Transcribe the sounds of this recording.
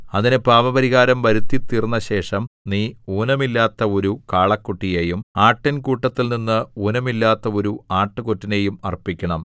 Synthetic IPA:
ɐðinɨpaːʋɐbɐɾiɣaːɾɐmʋɐɾut̪ːit̪ːirnːɐɕe̞ːʂɐmniːuːnɐmilːaːt̪ːɐo̞ɾukaːɭɐkːuʈːijeːjumaːʈːɐnkuːʈːɐt̪ːilninːɨuːnɐmilːaːt̪ːɐo̞ɾuaːʈːɨkotːine̞jumɐrpikʲːɐɳɐm

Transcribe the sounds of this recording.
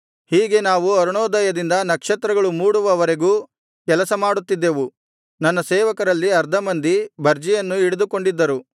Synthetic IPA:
hiːɡe̞naːʋuɐɾuɳɔːd̪ɐjɐd̪ind̪ɐnɐkʂɐt̪ɾɐɡɐɭumuːɽuʋɐʋɐɾe̞ɡuː | kɛlɐsɐmaːɽut̪ːid̪ːe̞ʋu | nɐnːɐseːʋɐkɐɾɐlːiɐɾd̪ʱɐmɐnd̪ibʱɐɾd͡ʒijɐnːuiɽud̪uko̞ɳɖid̪ːɐɾu

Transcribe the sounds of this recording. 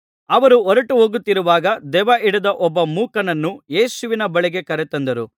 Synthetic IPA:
ɐʋɐɾuɔɾɐʈuɦoːɡut̪ːiɾuʋaːɡɐd̪ɛʋɐʔiɽɐd̪ɐʔɔbːɐmuːkɐnɐnːuje̞ːsuʋinɐbɐɭiɡe̞kɐɾɛt̪ɐnd̪ɐɾṵ

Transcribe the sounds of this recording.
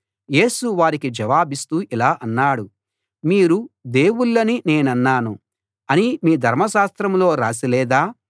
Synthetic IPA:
je̞ːsuʋaːɾikid͡ʒɐʋaːbist̪uːʔilaːʔɐnːaːɽu | miːɾud̪e̞ːwuɭːɐnine̞ːnɐnːaːnu | ɐnimiːd̪ʱɐɾmɐʃaːst̪ɾɐmlo̞ːɾaːsilɛːd̪aː

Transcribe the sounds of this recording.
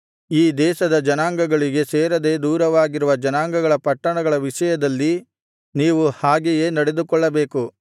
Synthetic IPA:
iːd̪ɛːʃɐd̪ɐd͡ʒɐnaːŋɡɐɡɐɭiɡe̞seːɾɐd̪e̞ːd̪uːɾɐʋaːɡiɾuʋɐd͡ʒɐnaːŋɡɐɡɐɭɐpɐʈːɐɳɐɡɐɭɐʋiʃɐjɐd̪ɐlːi | niːʋuhaːɡeje̞ːnɐɽe̞d̪ukɔɭːɐbe̞ːku

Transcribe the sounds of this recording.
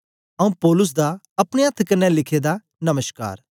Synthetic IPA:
ɐũpɔːlʊs̬d̪a | ɐpɽ̃eɐt̪ʰːkɐnːɛlɪkʰed̪a | nɐməʃka̰ːɾ

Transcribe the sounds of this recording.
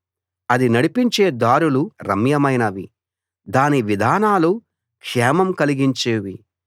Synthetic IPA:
ɐd̪inɐɽipiɲt͡ʃe̞ːd̪aːɾuluɾɐ̰mjɐmɐjnɐʋi | d̪aːniʋid̪ʱaːnaːlu | kʂɛːmɐmkɐliɡiɲt͡ʃeːʋi

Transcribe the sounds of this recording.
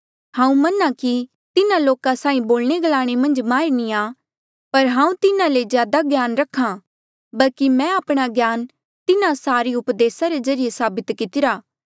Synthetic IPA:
hãːũmɐnaki | t̪ɪnãloːkasaːĩboːlñeɡɐlaːɽ̃emɐ̃nd͡ʒmaːɾenĩa | pɐɾɦãːũt̪ɪnãlezjaːd̪aɡjaːnɾɐkʰːã | bɐlkimɛ̃aːpɽ̃aɡjaːn | t̪ɪnãsaːɾiʊpd̪eːsaɾezɐɾɪjesaːbɪt̪kɪt̪ɪɾaː

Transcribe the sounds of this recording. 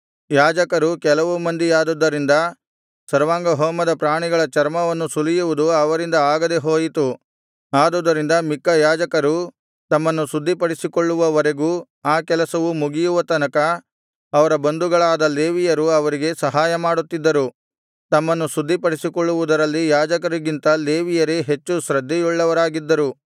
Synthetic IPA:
jaːd͡ʒɐkɐɾukɛlɐʋumɐnd̪ijaːd̪ud̪ːɐɾind̪ɐ | sɐɾʋaːŋɡɐɦoːmɐd̪ɐpɾaːɳiɡɐɭɐt͡ʃɐɾmɐʋɐnːusulijuʋud̪uɐʋɐɾind̪ɐaːɡɐd̪eɦoːjit̪u | aːd̪ɔːd̪ːɐɾind̪ɐmikːɐjaːd͡ʒɐkɐɾu | t̪ɐmːɐnːusud̪ːipɐɽisikoɭːuʋɐʋɐɾe̞ɡuː | aːkɛlɐsɐʋumuɡijuʋɐt̪ɐnɐkɐ | ɐʋɐɾɐbɐnd̪uɡɐɭaːd̪ɐleːʋijɐɾuɐʋɐɾiɡe̞sɐɦaːjɐmaːɽut̪ːid̪ːɐɾu | t̪ɐmːɐnːusud̪ʱːipɐɽisikoɭːuʋud̪ɐɾɐlːijaːd͡ʒɐkɐɾiɡint̪ɐle̞ːʋijɐɾeɦe̞t͡ʃːuʃɾɐd̪ʱːijuɭːɐʋɐɾaːɡid̪ːɐɾu

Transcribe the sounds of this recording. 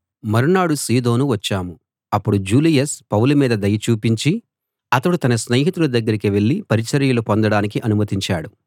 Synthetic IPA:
mɐɾunaːɽusiːd̪o̞ːnuʋɐt͡ʃːaːmu | ɐpːuɽud͡ʒuːlijɐspɐwlumiːd̪ɐd̪ɐjɐt͡ʃuːpiɲt͡ʃi | ɐt̪ɐɽut̪ɐnɐsnɐːɦit̪ulɐd̪ɐɡːɐɾikiʋe̞ɭːipɐɾit͡ʃɐɾjɐlupond̪ɐɽaːnikiʔɐnumɐt̪iɲt͡ʃaːɽu

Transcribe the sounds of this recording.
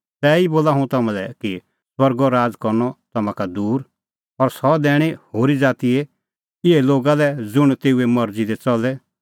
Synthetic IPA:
t̪ɛːiboːlaɦũt̪ɐmãlɛki | swɐɾɡɔɾaːd͡zkɔɾnɔt̪ɐmãkad̪uːɾ | ɔɾsɔd̪ɛːɽ̃ihoːɾid͡zaːt̪ie | ɪɦeloːɡalɛd͡zʊɽ̃t̪eːuemɐɾd͡zid̪ɛt͡sɔlɛ

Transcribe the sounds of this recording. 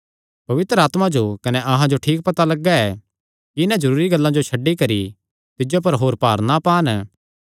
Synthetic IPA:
pɐʋɪt̪ɾəaːt̪mãd͡ʒokɐnɛʔɐɦãd͡ʒoʈʰiːk̚pɐt̪alɐɡːaɛ | kiɪnãd͡ʒɐɾuːɾiɡɐlːãd͡ʒot͡ʃʰɐɖːikɐɾi | t̪ɪd͡ʒop̬ɐɾɦoːɾpaːɾnapaːn

